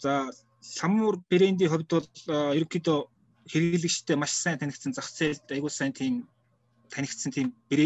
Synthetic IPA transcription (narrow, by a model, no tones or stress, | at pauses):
t͡sa | ɬamʊːrpeɾeːnt̪̬iːχʊwʲt̪ʊ̆ɮjɵɾɵ̆kʰiːt̪ɔː | xerɣɘ̆ɮɘ̆t͡ɕt̪ʰːeːmaʃsæːnt̪ʰænʲɪ̆k̚t̪sə̆nt͡sawt͡seːɮt̪æjɣʊːsæːnt̪ʰiːm | t̪ʰænʲɪ̆kt̪sə̆nt̪ʰiːmpeɾeː